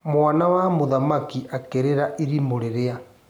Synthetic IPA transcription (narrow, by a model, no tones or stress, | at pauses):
mwanawamoðamakiʔakeɾeɾaʔiɾimoɾeɾea